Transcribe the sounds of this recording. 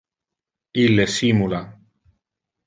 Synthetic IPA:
ilːesimula

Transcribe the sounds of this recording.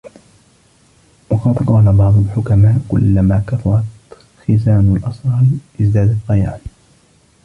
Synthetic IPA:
wɑqɑd̪qɑːlabɑʕd̪ˤʊlħʊkamaːʔkʊ̰lːamaːkafɑɾˤɑt̪ | xɪzaːnalʔɑsˤɾɑlʔɪzd̪aːd̪at̪ˤːɑjaːn

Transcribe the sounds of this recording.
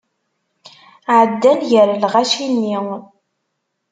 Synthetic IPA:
ʕəd̪ːænʝəɾlʁaʃiniw

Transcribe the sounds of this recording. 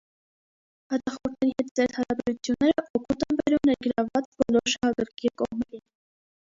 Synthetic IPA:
hɑt̪ɑχɔɾt̪ʰnɛɾihɛt̪d͡zɛɾt̪hɑɾɑbɛɾut͡sʰjunːɛɾəʔɔkut̪ənbɛɾumnɛɾɡəɾɑvɑt͡sbɔlɔɾʃɑhɑkəɾkʰikɔʁmɛɾin

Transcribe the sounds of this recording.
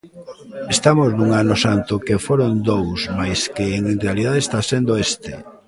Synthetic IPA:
est̪amoznuŋanosant̪okefoɾond̪owsmajskeːŋenrealiðaðest̪asend̪oest̪ḛ

